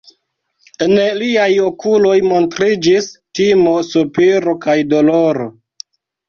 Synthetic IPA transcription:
eneliajokulo̞jmo̞ntɾid͡ʒistimo̞supiɾo̞kajdo̞loɾo

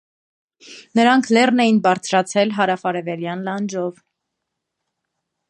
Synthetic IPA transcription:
nəɾɑŋkʰlɛrnɛjinbɑɾt͡sʰɾɑt͡sʰɛlɦɑɾɑfɑɾɛvɛɾjɑnlɑnd͡ʒɔv

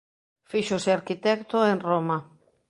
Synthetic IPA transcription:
fiʃoseaɾkit̪ɛkt̪oenroma

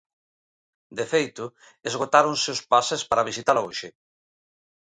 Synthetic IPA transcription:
d̪efejt̪ʊ | ezɣot̪aɾonseʊspasespaɾaβ̞isit̪alaoʃɪ

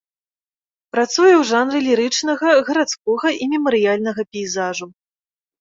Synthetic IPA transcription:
pɾat̪sujɛwʐanɾɨlʲiɾɨt͡ʂnɐɣɐɣɐɾat̪skɔɣɐʔimʲɛmɐɾɨjalʲnɐɣɐpʲɛjzaʐu

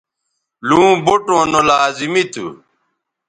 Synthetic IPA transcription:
lũːboʈõːnolaːzimit̪ʰṵ

